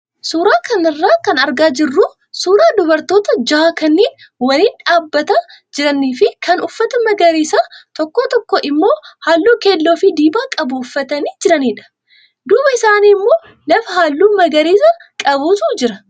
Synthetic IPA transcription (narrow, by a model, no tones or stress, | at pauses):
suːɾaːkɐnɪrːaːkɐnɐɾɡaːd͡ʒɪrːuː | suːɾaːd̪ʊbɐɾt̪o̞ːt̪ɐd͡ʒaakɐnːiːn | wɐniːnᶑaːbːɐt̪ɐd͡ʒɪɾɐnːiːfɪkʰɐnʊfːɐt̪ɐmɐɡɐɾiːsaːt̪ɔkːoːt̪ɔkːoːʔɪmːo̞ːhaːlːuːke̞ːlːoːfɪd̪iːbaːkʼɐbʊʊfːɐt̪ɐniːd͡ʒɪɾɐniːᶑɐ̥ | d̪uːbɐɪsaːniːmːo̞ː | lɐfɐɦaːlːuːmɐɡɐɾiːsɐkʼɐbuːsud͡ʒɪɾɐ